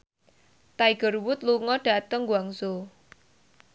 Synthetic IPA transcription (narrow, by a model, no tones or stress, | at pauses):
t̪aiɡ̥ə̤rwʊt̪luŋɔɖ̥a̤t̪əŋɡwaŋso